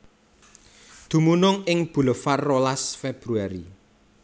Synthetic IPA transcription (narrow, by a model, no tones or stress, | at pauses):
d̪̥ṳmunʊŋɪŋb̥ṳləfarːolasfɛb̥ɾuaɾi